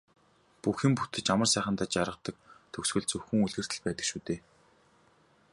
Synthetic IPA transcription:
puxĭmput̪ʰɘ̆t͡ɕamərsæːχə̆nt̪aːt͡ɕaɾʁə̆qt̪ə̆k̚t̪ʰɵksɡɵ̆ɮt͡sɵwxɘ̆ŋuɮɣɘ̆r̥t̪ʰɘ̆ɮpæːt̪ə̆kʃuːt̪eː

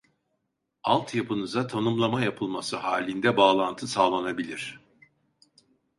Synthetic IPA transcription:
alˠt̪ʰjapʰɯnɯzat̪ʰanumlˠamajapʰɯlˠmasɯhaːlʲind̪ɛbaːlˠant̪ʰɯsaːlˠanabilʲiɾ̝̥

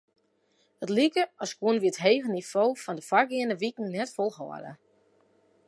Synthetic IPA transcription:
ətlikəɔskwuənʋiətɦeːɣənifoːfɔndəfarɡɪənəʋikn̩nɛtfolˠhɔ̰ə̰də̰

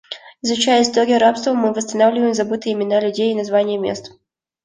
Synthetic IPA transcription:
ɪzʊt͡ɕæjəɪst̪oɡʲɪəɾapst̪vəmɨvəst̪ɐnavlʲɪvəjɪmzɐbɨt̪ɨɪmʲɪnalʲʉdʲejːnɐzvanʲɪjəmʲḛst̪

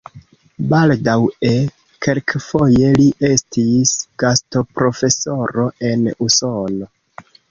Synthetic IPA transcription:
baldawe̞ | ke̞lkfo̞je̞liʔe̞stisɡ̥asto̞pɾo̞fe̞so̞ɾo̞e̞nuso̞no̞

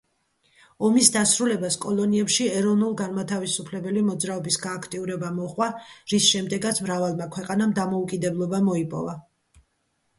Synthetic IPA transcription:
ɔmisd̪asɾulɛbaskʼɔlˠɔniɛpʃiɛɾɔvnulˠɡanmat̪ʰavisupʰlɛbɛlimɔd̪zɾaɔbisɡaːkʰt̪ʼiuɾɛbamɔχwaɾisʃɛmd̪ɛɡat̪sʰmɾavalˠmakʰwɛqʼanamd̪amɔukʼid̪ɛblˠɔbamɔipʼɔ̰va

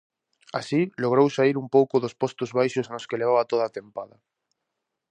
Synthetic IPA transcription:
a̰siloɣ̞ɾowsaiɾumpowkʊðospost̪ʊzβajʃʊsnoskeleβ̞aβat̪oðaːt̪empaðɐ

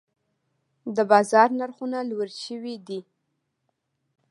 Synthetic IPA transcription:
d̪əbɑzɑɾnaɾxunalwəɾʃəwid̪i

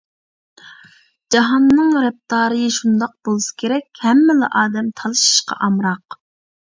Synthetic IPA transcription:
d͡ʒɑɦɑnːɨŋɾɛp̚t̪ɑːɾɨjɨʃund̪ɑq̚bolˠɨsɨ̥kʲʰeɾɛkʲhɛmːɪlɑ̰ʔɑːd̪ɛmt̪ʰɑlˠɨʃi̥ʃqɑ̰ʔɑmɾɑq

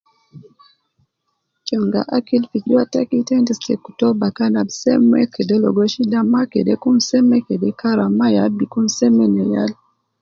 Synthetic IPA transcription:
t͡ʃɔŋɡa̰ʔakilfid͡ʒuatakitɛntistɛkutɔbakanabsɛ̰mɛkʰɛdɛlɔ̰ɡɔʃidamakḛdɛkum̩sɛmɛkedɛkʰaɾamajabikumsɛmɛnɛjal

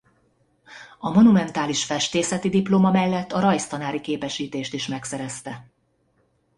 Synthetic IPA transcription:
ɒmo̞numɛnt̪aːliʃfɛʃt̪eːsɛt̪id̪iploːmɒmɛlːɛt̪ːɒɾɒjst̪ɒnaːɾikeːpɛʃiːt̪eːʃt̪iʃmɛksɛɾɛst̪ɛ

